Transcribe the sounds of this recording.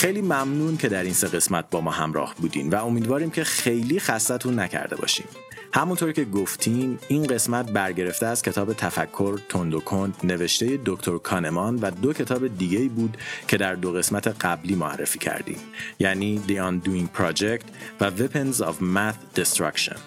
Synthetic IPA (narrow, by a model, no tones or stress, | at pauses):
χejliːmæmnuːncʰe̞d̪æɾiːnse̞ɣe̞smæt̪̚bɒːmɒːɦæmɾɒ̰ːhbuːd̪ḭːmvæo̞miːd̪vɒːɾiːmcʰe̞χxe̞jliːxæsːæt̪ʰuːnːæcʰæ̰ɾd̪e̞bɒ̰ʃḭːm | hæmunt̪ʰo̞ɾcʰeɡoft̪ʰiːmiːnɢe̞smæt̪̚bæɾɟe̞ɾe̞ft̪eæscʲʰe̞t̪ʰɒːbet̪ʰæfækʰːo̞ɾt̪ʰond̪okʰond̪ne̞ve̞ʃt̪e̞je̞d̪okt̪ʰoɾkʰɒːne̞mɒnvæd̪ocʰet̪ʰɒːbe̞d̪iːɟeiːbuːd̪cʰe̞d̪æɾd̪oɣe̞smæt̪ʰe̞ɢæbliːmoæ̰rːe̞̰fiːcʰæ̰ɾd̪ḭːmjæːniːd̪iɒːnd̪uiŋpʰɾɑːd͡ʒekt̪ʰvævepʰenzɒ̰vmæt̪d̪̥est̪ɾɒ̰kʃo̰n